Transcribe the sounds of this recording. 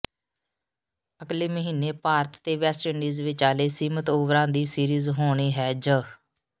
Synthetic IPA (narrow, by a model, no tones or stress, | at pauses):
əkleːməɦiːneːpaːɾət̪ːeːʋɛːsʈəɳɖiːzʋɪt͡ʃaːleːsiːmət̪oʋɾãːd̪iːsiːɾiːzɦoːɽ̃iːɦɛːd͡ʒə